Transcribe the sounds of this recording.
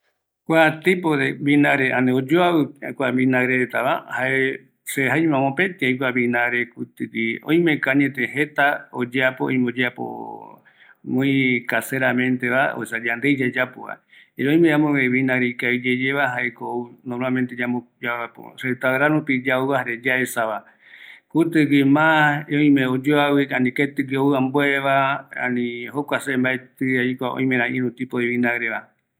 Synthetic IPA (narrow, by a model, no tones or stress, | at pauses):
kʷat̪ipoðeβinaɾeʔãneod͡ʒoaβɨkʷaβinaɾeɾet̪aβa̰hae | seɦajmãmõpẽnt̪iajkʷaβĩnaɾekut̪ɨkiõ̰j̃mekaɲet̪ẽɦet̪aod͡ʒeapoõ̰j̃mod͡ʒeapo̰ | mõikaseɾamẽnt̪eβa̰oesad͡ʒand̪ejd͡ʒad͡ʒapoβa̰ | eɾõj̃meamõβeβinaɡɾeikaid͡ʒed͡ʒeβaɦaekounõmament̪ed͡ʒamod͡ʒapo̰set̪aɾaɾũpid͡ʒauahaɾed͡ʒaesaβa | kut̪ɨɡemãeõĩmẽod͡ʒoawɨanĩket̪ɨɡeowãmboeβaã̰nĩhokʷasembaet̪ɨaikʷaõ̰j̃mẽɾãĩɾũt̪ipoeβinaɡɾeβa